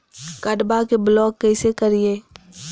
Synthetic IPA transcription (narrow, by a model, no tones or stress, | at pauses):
kɐɖbakeblɔːkːɛɪsekɐɾieː